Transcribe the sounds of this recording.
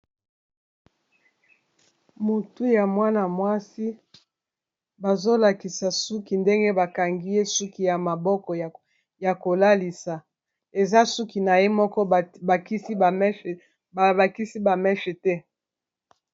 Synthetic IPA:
mu˨tu˦ja˨mwa˦na˨mwa˦si˦ | ba˨zo˦la˨ki˨sa˨su˦ki˨nde˦ŋɡe˦ba˨ka˨ŋɡi˦je˦su˦ki˦ja˨ma˨bɔ˦kɔ˨ | ja˨ko˨la˦li˨sa˨ | e˨za˦su˦ki˨na˨je˦mɔ˦kɔ˦˨i˦i˦˨˦ | ba˨la˨ki˦si˦ba˨mɛ˦ʃɛ˨tɛ˦

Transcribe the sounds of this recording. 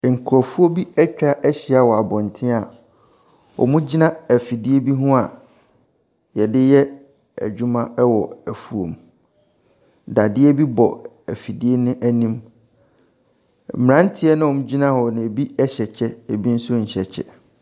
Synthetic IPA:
ŋ̩˨kʰɾɔ˨fu˦o˦bi˦ɛ˦t͡ɕᶣa˦ʔɛ˦ɕi˨˦a˦wɔ˨a˨bɔ̃˨n̩˨tʰɪ̃˦a˨ | ɔ̰˨mũ˦d͡ʑi˦nã˦æ˨fi˨di˦e˦bi˦ɦʊ̃˦a˨ | jɛ˨dɪ˦jɛ˦ | æ̰˨d͡ʑᶣũ˦mã˦ɛ˦wɔ˨æ˨fu˦õ̰˨m | da˨dɪ˦ɛ˦bi˦bɔ˨ | æ˨fi˨di˦e˦nɪ̃˦ʔæ˦nĩ˦m | m̩˨m˨ɾã˦n˦tʰɪ˦ɛ˦nʊ̃˦ɔ˨mũ˦d͡ʑi˦nã˦hɔ˨nɪ̃˨e˨bi˦ɛ˦ɕɛ˨t͡ɕʰɛ˦e˨bi˦n̩˦sʊ˦ɲ̩˨ɕɛ˨t͡ɕʰɛ̰˨

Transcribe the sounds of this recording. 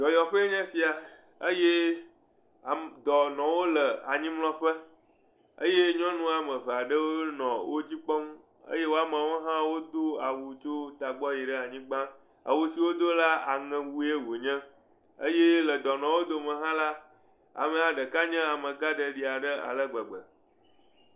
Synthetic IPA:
d͡ʒɔ˨jɔ˨ɸə˦e˦ɲɛ̃˦si˨a˨ | ə˦je˦˨ | d̪ɔ˨nɔ̃˨wo˦lə˨a˨ɲĩ˦mlɔ̃˦ɸə˦ | ə̰˦je˦ɲɔ̃˦nũ˦a˨mə̃˨ɸə˨a˨ɖə˦wo˦nɔ̃˨wʔo˦d͡ʑi˦k͡pɔ˦m˦ | ə̰˦je˦wo˦a˨mã˨wo˦ɦã˦wo˦d̪o˦a˨wu˨t͡ʃo˦t̪a˨ɡ͡bɔ˦ji˨ɖə˦a˨ɲĩ˦ɡ͡bã˦ | a̰˨wu˨si˨wo˦d̪o˦la˦a̰˨ŋɛ̃˨wu˦e˦wo˨ɲɛ̃˦ | ə̰˦je˦lə˨d̪ɔ˨nɔ̃˨wo˦d̪o˦mə̃˨ɦã˦la˦ | a̰˨mə̃˨a˨ɖə˨ka˦ɲɛ̃˦a˨mə̃˨ɡa˦ɖə˨ɖi˨a˨ɖə˦a̰˨lə˦ɡ͡bɛ˨ɡ͡bə̰˨

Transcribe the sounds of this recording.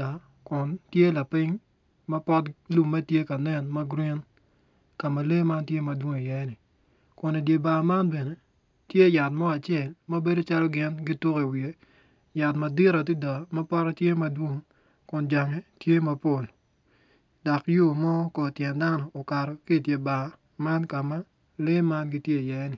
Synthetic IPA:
a˨ | kʊ˨ntje˦la˨pɪ˦ŋ | ma˦pɔ˦tlu˨mːɐ˦tje˦ka˨nɛ˦˨nma˦ɡɾi˦n | ka˨ma˨le˦ma˦ntje˦mɐ˨dwo˦ŋi˨jɛ˦nɪ˨ | kʊ˨ni˨dje˨ba˨ma˦nbe˨ne˨ | tje˦ja˨tmɔ˦a˨t͡ʃje˦˨lmɐ˦be˦do˦t͡ʃa˦lɔ˦ɡɪ˦nɡi˦to˦ki˨wi˨e˨ | ja˨tmɐ˨di˦ɾa˨t̬i˦da˨ma˦pa˦ɾa˦tje˦mɐ˦dwo˦ŋ | kʊ˨nd͡ʒa˨ŋe˦tje˦ma˨po˦˨l | da˨kjo˦˨mɔ˦kɔ˨tjɛ˨nda˦nɔː˨ka˨ɾɔ˨ki˦˨tje˨ba˨ | ma˦nka˨ma˦ | le˦ma˦nɡi˦tje˦˨jɛ˦nɪ˨

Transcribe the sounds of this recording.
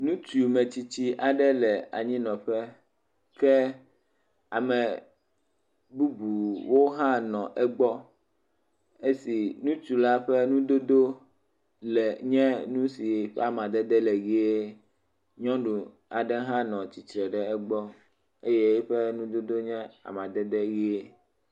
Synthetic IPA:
nũ˦t͡ʃu˨mɛ̃˨t͡ɕi˨t͡ɕi˦ʔa˨ɖɛ˦lɛ˨a̰˨ɲĩ˦nɔ̃˨ɸɛ˦ | kɛ˦ | a˨mɛ˨ | bu˦bu˨wo˦ɦã˦nɔ̃˨ʔɛ˦ɡ͡bɔ˦ | e˦si˨nũ˦t͡ʃu˨la˦ɸɛ˦nũ˦d̪o˦d̪o˦ | lɛ˨ɲɛ̃˦nũ˦si˨ɸɛ̰˦a˨mã˨d̪ɛ˦d̪ɛ˦lɛ˨ɣi˦e˦ | ɲɔ̃˦ɖu˨ | a˨ɖɛ˦ɦã˦nɔ̃˨t͡ɕi˨t̪ɾɛ˨ɖɛ˨ɛ˦ɡ͡bɔ˦ | e˦je˦e˦ɸɛ˦nũ˦d̪o˦d̪o˦ɲɛ̃˦a̰˨mã˨d̪ɛ˦d̪ɛ˦ɣi˦e˦

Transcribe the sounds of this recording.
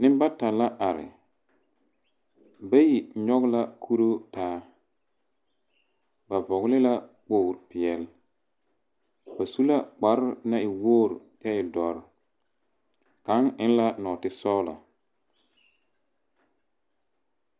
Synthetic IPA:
nɪ˦mba˦ta˨la˦ʔa˨ɾɪ̰˨ | ba˦ji˨ɲɔ˦ɣla˦kʰu˦ɾo˦taː˦ | ba˨vɔ˨ɣlɪ˦la˦k͡poː˦˨ɾpɪ˨ɛ˨l | ba˨su˦la˦k͡pa˨ɾɪ˦na˦ɪ˨woː˦ɾd͡ʒɛ˦ɪ˨dɔ˨ɾ | ka˨˦ŋɪ˦n˦la˦nɔ˨tɪ˦sɔː˦lɔ̰˨

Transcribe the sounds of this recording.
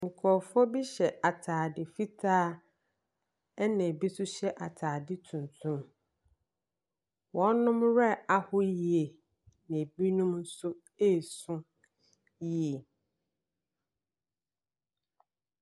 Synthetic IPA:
ŋ̩˨kʰɔ˨fɔ˦bi˦ɕɛ˨ʔa˨tʰaː˨dɪ˨fi˦tʰaː˦ | ɛ˦nɛ̃˨bi˦sʊ˦ɕɛ˦ʔa˨tʰaː˨dɪ˦tʰũ˨n˨tʰũ˦m | wɔ̃˨˦nʊ̃˦mɾɛ˦˨a˨hʊ˦ji˨e˨ | nɪ̃˨bi˦nũ˦mn̩˦sʊ˦ | e˦˨sʊ̃˦ | ji˨e˨

